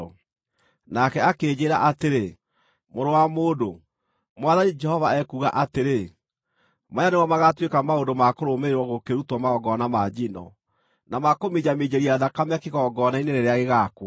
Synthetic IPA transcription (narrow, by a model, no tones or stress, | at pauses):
nakɛakeːd͡ʑeɾa̰ʔateɾe | moɾowamoːdo | mwaðanid͡ʒɛhɔvaɛkuɣa̰ʔateɾe | majaneɣɔmaɣatwekamaondomakoɾomeeɾwɔɣokeɾutwɔmaɔɡɔnamad͡ʑinɔ̰ | namakomed͡ʑamed͡ʑeɾiaðakamakeɣɔɡɔːnaineɾɛɾeaɣeɣakwɔ